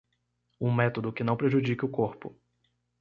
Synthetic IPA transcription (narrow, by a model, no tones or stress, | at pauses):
ũmɛt̪od̪ʊkɪnɐ̃w̃pɾeʒud͡ʒikɪʊkoɾpʊ̰